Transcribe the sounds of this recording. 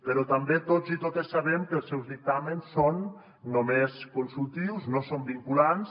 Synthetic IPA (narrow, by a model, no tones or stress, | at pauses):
pəɾɔt̪ambet̪ozit̪ot̪əsːaβɛmkəlˠsɛwzðik̚t̪amənsːonː | omeskunsulˠt̪iwznosombiŋkulans